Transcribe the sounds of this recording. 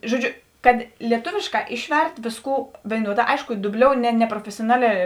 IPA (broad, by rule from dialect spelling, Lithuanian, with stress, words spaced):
ʒoːˈd͡ʒʲʊ ˈkɐt lʲiɛˈtoːʋʲeːʃˌkɑː ˈɪʃʲˌʋʲɛrt ˈʋʲeːsˌkuː ʋʲeːɪˈnuɔˌdɑː ˈɐɪʃkʊ dʊˈbʲlʲoːʊ nʲɛ nʲɛproːfʲɛsʲoːˈnɑːlʲɛː